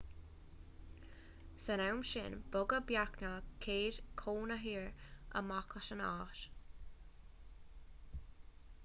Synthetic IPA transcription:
sənawmʃɪ̰nbʊɡəbjaknəkʰeːdkʰoːnəɦiːɹə̰makʰəʃəna̰ːʃ

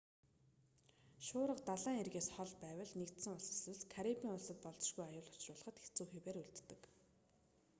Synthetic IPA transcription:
ʃʊːɾə̆qt̪aɮaːŋerɣeːsχɔɮpæːwə̆ɮnekt̪sɘ̆ŋʊɮsɵ̥̆sɘ̆skʰæɾipiːŋʊɮsə̆t̪̚pɔɮt͡sɪ̆ʃɣujajʊːɮɔ̥t͡ɕrʊːɮə̆χə̆t̪xext͡suːxiːweːɾuɮt̪ːɘ̆k

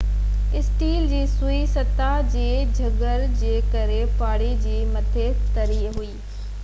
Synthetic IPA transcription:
ɪsʈiːld͡ʑiːsuisɐt̪ad͡ʑeːd͡ʑʱɐɡəɾd͡ʑeːkɐɾepaːɽid͡ʑiːmɐt̪ʰet̪ɐɾiːɦuiː

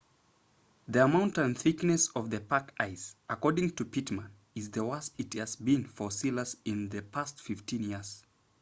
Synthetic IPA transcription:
ðiəmãʊ̃ntɨ̃nθɪknɨsʌvðɨpʰakaɪsəkɔɹdɪ̃ŋtʰɨpʰitmə̃n | ɨzðəwasɪt̚hɨzbĩnfə˞silˠəzɪ̃nðɨpʰæstfɪftĩnjɪɹz̥

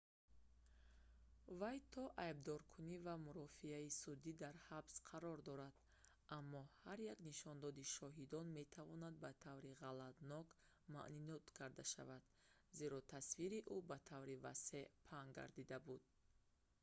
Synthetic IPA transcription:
vajt̪ʰɔʔajb̚d̪ɔɾkʰunivamuɾɔfiaisud̪id̪aɾhabsqʰaɾɔɾd̪ɔɾad̪̥ | ʔamːɔhaɾjakniʃɔnd̪ɔd̪iʃɔɦid̪ɔnmet̪ʰavɔnad̪̚bat̪ʰavɾiʁalad̪nɔk | ma̰ʔninɔt̪kʰaɾd̪aʃa̰vad̪ | ze̞ɾɔt̪ʰasviɾiʔubat̪ʰavɾiva̰se̞ʔpʰaŋɡa̰ɾd̪id̪abud̪̥̚

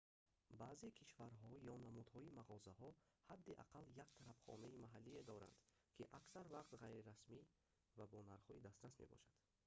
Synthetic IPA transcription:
bazekʰiʃvaɾɦɔjɔnamud̪hɔimaʁɔzahɔ | had̪ːiʔa̰qaljakt̪ʰaɾabχɔ̰naimaɦalːied̪ɔɾa̰nd̪kʰiʔaksaɾvaqt̪ʁajɾiɾasmi | vabɔnaɾχɔid̪ast̪ɾasmḛbɔ̰ʃad̪̥

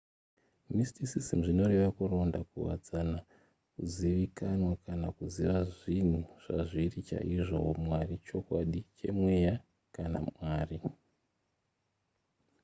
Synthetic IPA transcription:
mistisisimuʐino̞reʋakuro̞ndakṵwa̰d͡zana | kuziʋikanwakanakuziʋaʐin̤uʐ̥aʐirit͡ʃa̰ʔiʐo̞mwarit͡ʃo̞kwaɗit͡ʃe̞̰mwe̞ja | kana̰mwaːri

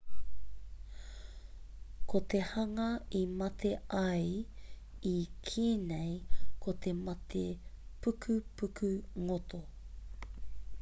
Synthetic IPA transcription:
kʰot̪e̞hɐŋɐimɐt̪ʰe̞ɐj | ikʰiːnejkʰot̪e̞mɐt̪ʰepʉkʰʉpʉkʰʉŋot̪o

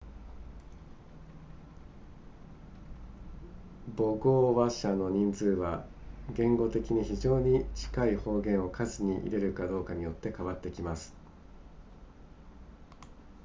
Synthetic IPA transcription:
bo̞ɡo̞ːβaɕano̞ɲ̟ĩnd͡zɨːβaɡẽ̞ŋɡo̞t̪e̞kʲiɲ̟içiʑo̞ːɲ̟it͡ɕi̥kaiho̞ːɡẽ̞ɰ̃o̞kʰazɨɲ̟iʔḭɾe̞ɾɯ̟kad̪o̞ːkaɲ̟ijo̞t̪ːe̞kaβat̪ːe̞kʲimasɨ̥

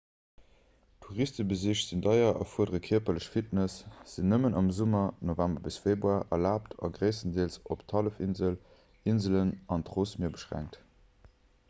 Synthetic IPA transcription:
tʰuʁistəbəziːɕtz̥indɑɪɐʔɑ̰fuədəʁəkʰiɐpɐləɕfitnəsz̥inːəmənɑmzumɐnovæmbɐbisfeːbʁuaːʔɐlaːptʰɑ̰ɡʁəɪsəndieəlsoptʰɑləfinzəl | inzələnɑntʁoːsmiːɐbəʃʁæ̰ŋk̚t

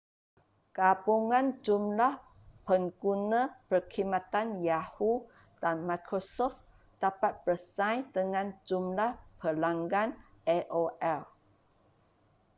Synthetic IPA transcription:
kabuŋãnd͡ʒumlah | pəŋɡunə̃pərkʰimãt̪anjahu | d̥anmajkʰɾosɔft̪ | d̥apat̪̚bəsãjdəŋãnd͡ʒumlahpʰəlaŋɡanɛʔoʔɛl

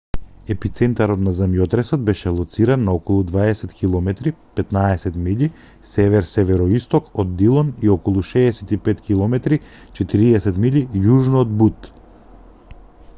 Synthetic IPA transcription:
ɛpit̪sɛnt̪aɾɔt̪nazamjɔt̪ɾɛsɔd̪̚bɛʃɛlˠɔt̪siɾanːaɔkɔlˠud̪vaɛsɛt̪kʰilˠɔmɛt̪ɾipɛt̪naɛsɛt̪mili | sɛvɛɾsɛvɛɾɔist̪ɔkɔd̪ːilˠɔniɔkɔlˠuʃɛːsɛt̪ipɛt̪kilˠɔmɛt̪ɾi | t͡ʃɛt̪iɾiɛsɛt̪milijuʒnoːd̪but̪

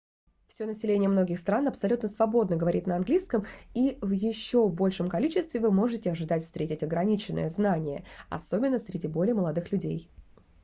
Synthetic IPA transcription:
fsʲonəsʲɪlʲenʲɪjəmno̞ɡʲɪxst̪ɾanɐpsɐlʲut̪nəsvɐbo̞d̪nəɡəvɐɾʲḭt̪nəɐnɡlʲiskəmivjɪɕːo̞bo̞lʲʂəmkɐlʲit͡ɕɪst̪vʲɪvɨmo̞ʐɨtʲɪɐʐɨd̪atʲfst̪ɾʲetʲɪtʲɐɡɾɐnʲit͡ɕɪnːə̰jəznanʲɪjə̰ɐ̰so̞bʲɪnːəsʲɾʲɪdʲibo̞lʲɪjəməlˠɐd̪ɨxlʲʉdʲej

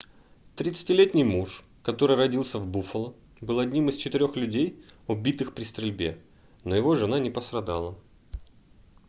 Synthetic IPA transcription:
t̪ɾʲɪt̪sɨ̥tʲɪlʲetʲnʲɪjmuʂ | kɐt̪o̞ɾɨjrɐdʲilˠsʲəvbufəlˠə | bɨlˠɐdʲnʲimɨst͡ɕɪt̪ɪɾʲo̞xlʲʉdʲejʊbʲit̪ɨxpɾʲɪst̪ɾʲɪlʲbʲe̞̰ | no̞jɪvo̞ʐɨnanʲɪpəst̪ɾɐd̪a̰lˠə

